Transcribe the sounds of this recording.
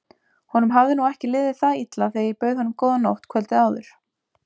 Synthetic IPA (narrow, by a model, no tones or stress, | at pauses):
hɔnʏmɦavðɪnuɛhcɪlɪːðɪθaðit̪laθejipœɥðhɔnːʏmkɔːwðanowht̪kʰvɛlt̪ɪaːwðʏɾ̥